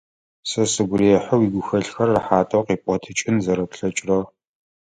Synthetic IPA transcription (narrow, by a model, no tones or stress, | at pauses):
sɐsɨɡʷʊɾiɛħɐwiːɡʷʊxɐɬxɐrːəħaːtʼɐwqiːpʷʼɔtʰɨt͡ʃʼɪnzɐɾɐpɬɐt͡ʃʼrɐ